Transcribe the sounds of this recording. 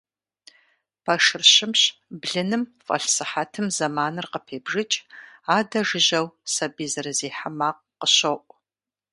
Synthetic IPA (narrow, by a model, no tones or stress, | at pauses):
pʰɐʂɨrɕɪmɕbɮɨnɨmfʼɐ̰ɬsɨħatʰɨmzɐmaːnɨrqəpʰeːbʐɨt͡ʃʼaːdɐʒɨʑɐwsɐbiːzɐrɨziːħamaːq̚ | qəɕɐʔʷʼ